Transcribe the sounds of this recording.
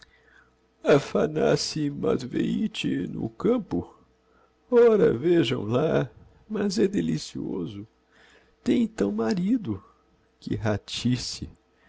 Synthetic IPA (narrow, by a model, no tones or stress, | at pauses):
ɐfanasɪmad̪veit͡ʃɪnʊ̰kɐ̃pʊ | ɔɾɐveʒɐ̰̃w̃la | mɐzɛd̪elisiozʊ | t̪ẽj̃t̪ɐ̃w̃maɾid̪ʊ | kɪɦat͡ʃisɪ